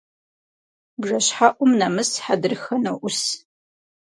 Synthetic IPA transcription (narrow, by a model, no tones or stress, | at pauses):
bʐɐɕħaʔʷʼʊmnɐmɨsħadɨrxɐnɐʔʷʊs